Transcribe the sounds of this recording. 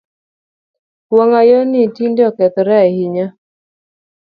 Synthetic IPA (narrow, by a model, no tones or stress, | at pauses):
pwɔŋajɔnitindɔkɛt̪ɾɛahɪɲa